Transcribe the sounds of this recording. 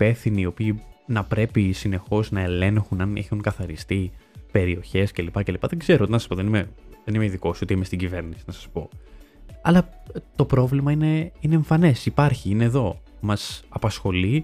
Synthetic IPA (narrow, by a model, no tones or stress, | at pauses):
pe̞fθiniːopiːnɐpɾe̞pisine̞xo̞znɐe̞le̞ŋxunɐnḛxuŋkɐθɐɾist̪ipe̞ɾio̞çe̞scelipɐce̞lipɐðeŋɡze̞ɾonɐsɐ̥spoðe̞nimeðenimeiðiko̞so̞t̪iimest̪iɲɟive̞ɾnisi̥nɐsɐ̥spo̞ | ɐlɐt̪o̞pɾo̞vlimɐine̞ine̞ːɱfɐne̞sipɐɾçiine̞ːðo̞mɐsɐpɐsxo̞li